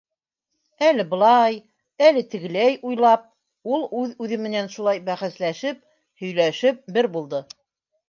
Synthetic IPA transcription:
ælɘbɤ̆lˠɑj | ælɘt̪ɘ̆ɡɘ̆læjʔujlˠɑp̚ | ulˠʉðʉðɘmɘ̆nænʃulˠɑjbæχæslæʃɘp̚ | hɵ̆jlæʃɘp̚bɘɾbulˠd̪ɤ

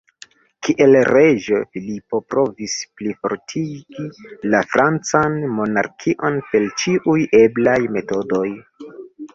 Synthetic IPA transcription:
kʰiʔe̞lɾed͡ʒofilipo̞pɾo̞visplifo̞̰ɾtʰiɡ̥ilafɾʔant͡sanmo̞na̰ɾkʰiʔo̞npe̞lt͡ʃiʔuje̞blajme̞to̞do̞j

